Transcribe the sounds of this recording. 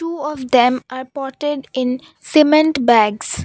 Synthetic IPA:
ʈuːɔʋd̪ɛ̃mʔaːɾpɔːɾʈeɖɪ̃n | sɪmẽɳʈbæɡs

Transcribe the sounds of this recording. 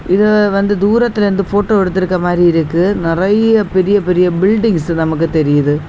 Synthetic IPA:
ʔɪðɯʋɐnd̪ɯd̪uːɾɐt̪ːɪlɾɯnd̪ɯfoːʈːoːɛɽɯt̪ːɪɾɯkːɐmaːd̪ɾiɪɾɯkːɯnɪrɐjɐpɛɾɪjɐpɛɾɪjɐbɪlɖɪŋsnɐmɐk̬ːɯt̪ɛɾɪjɐðɯ

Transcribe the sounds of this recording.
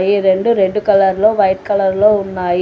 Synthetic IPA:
jiɾe̞ɖuɾe̞ɳɖukɐlɐɾlo̞ːʋɐjt̪̚kɐlɐɾloːunːaːji

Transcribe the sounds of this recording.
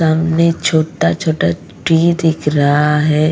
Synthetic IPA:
aːmnet͡ʃʰoːʈat͡ʃʰoːʈa | ʈid̪ɪkʰɾəɦaɦɛː

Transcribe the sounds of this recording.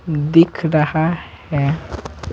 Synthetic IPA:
d̪ɪkʰɾahahɛ̃

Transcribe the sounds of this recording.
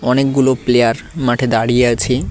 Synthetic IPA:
ɔnekɡuloplejaɾmaʈʰed̪aɽijeat͡ɕʰe

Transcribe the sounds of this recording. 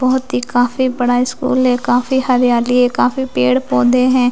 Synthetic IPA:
bɔːt̪ɦiːkaːfʰiːbəɽaːɪskṵːlɦɛːkaːfʰiːhəɾjaːlieːkaːfʰiːpeːɽpɔ̃ːd̪eːɦɛ̃ː

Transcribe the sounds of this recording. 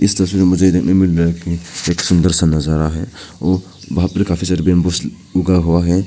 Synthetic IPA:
ɪst̪ɐɾəswiɾemʊd͡ʒeid̪eknɐmɪlɾaekieːksʊ̃nd̪əɾsənːɐzaɾaɦɛɔːɾ | bɐɦapɾkaːfʰisaːɾbẽmbos | ʊɡaɦuaɦɛ

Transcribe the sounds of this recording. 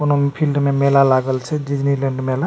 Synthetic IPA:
konopʰilɖmemelalaɡəlt͡ʃʰɛd͡ʒid͡ʒnileɳɖmela

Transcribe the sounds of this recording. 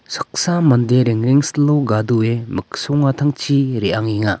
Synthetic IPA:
sɯ̥k̚samɐndeɾeŋɾeŋsloɡaduemɯk̚sɔŋatʰaŋt͡ʃʰiɾeaŋiŋa

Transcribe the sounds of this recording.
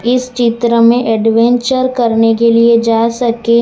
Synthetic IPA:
ɪst͡ʃɪt̪ɾəmẽʔɛɖʋɛ̃ɲt͡ʃəɾkɐɾnekelied͡ʒaːsɐke

